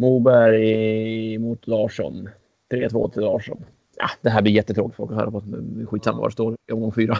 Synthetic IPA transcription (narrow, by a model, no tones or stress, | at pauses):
muːbæɾj | muːt̪d̪ɑːʂɔ̰n | t̪ʰɾeːt̪ʰvo̰ːt̪ʰɾɛd̪ɑːʂɔ̰n | jɑ̰d̪̥ɛɦæːb̪ɪɾjɛt̪ːət̪ʰɾoːkɪ̥t̪fɔlkɔhœ̰ːɾapʰɔt̪ɪɧiːt̪samːa̰va̰ɾʂt̪oːɾjɔmɡɔŋfyːɾa